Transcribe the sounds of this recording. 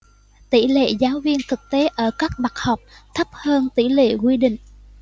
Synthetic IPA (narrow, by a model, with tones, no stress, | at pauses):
t̪ḭ˧˩lḛ˧˨zaː˨˦wvi˧ənt̪ʰɨ˨˩k̚t̪e˨˦ʔəː˧˩kaː˦˥k̚ɓa˨˩k̚ha˨˩wk͡p̚t̪ʰə˦˥p̚həː˧nt̪ḭ˧˩lḛ˧˨kwi˧ɗḭ̈˧˨ŋ̟